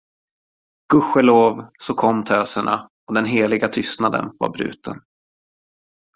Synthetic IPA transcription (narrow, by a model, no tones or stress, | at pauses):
ɡ̥ɵɧɛloːvsɔkʰɔmːt̪ʰøːsəɳa̰ | ɔd̪ɛnɦeːlɪɡat̪ʰʏst̪nad̪ə̰nva̰ɾbɾʉ̟̰ːt̪ʰə̰n